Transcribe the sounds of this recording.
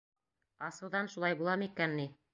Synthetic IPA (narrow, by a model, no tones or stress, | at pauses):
ɑsɤ̆wðɑnʃulˠɑjbulˠɑmikænːi